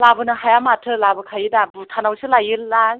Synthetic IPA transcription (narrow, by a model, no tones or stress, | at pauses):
labɯnɯɦajamatʰɯlabɯkʰajɯdabɯtʰanawsɯlajɯlːaj